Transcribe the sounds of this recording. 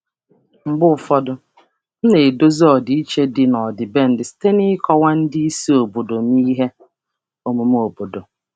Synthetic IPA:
ŋ͡m̩˨ɡ͡bʊ˦ʊ˨fɔ˦dʊ˨ | n̩˦ne˨do˦zi˦ɔ˨di˨i˦t͡ʃe˦dɪ˨nɔ˨dɪ˨be˦n̩˦dɪ˨si̥˦te˦nɪ˦kɔ˦wa˦n̩˦dɪ˦i˦si˦o˨bo˨do˨n˦i˦ɦe˦ | o˨mu˨m˦o˨bo˨do˨

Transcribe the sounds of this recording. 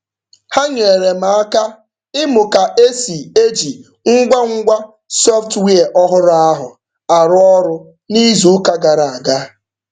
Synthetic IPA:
ha˦ɲe˨ɾe˨ma˨a˦ka˦ | ɪ˦mʊ˨ka˨ʔe˦si˨e˦d͡ʒi˨ | ŋ̩˦ɡʷa˦ŋ̩˦ɡʷa˦ | sɔ˦ftwi˦e˨ʔɔ˦ɦʊ˦ɾʊ˦a˦ɦʊ˨ | a˨ɾʊ˦ɔ˦ɾʊ˦ | ni˦zu˨˦ka˦ɡa˨ɾa˨a˨ɡa˦

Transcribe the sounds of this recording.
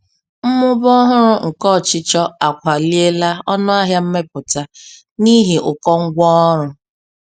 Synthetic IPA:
m̩˦mʊ˦bɔ˦ɦʊ˦ɾʊ˦ŋ̩˨kɔ˦˨t͡ʃɪ˦t͡ʃɔ˦a˨kʷa˨li˦e˦la˦ɔ˦nʊ˦a˦ɦja˦m̩˦me˦pʊ˨ta˦ | ni˦ɦi˨ʔʊ˨kɔ˦ŋ̩˦ɡʷɔ˦ɔ˦ɾʊ˨

